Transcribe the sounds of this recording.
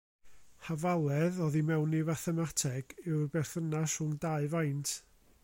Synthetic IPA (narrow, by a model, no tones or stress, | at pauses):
havalˠɛðɔðimɛwnivaθɛmatʰɛɡ̥ɪwrbɛrθənaʃʊŋdaɨvajntʰ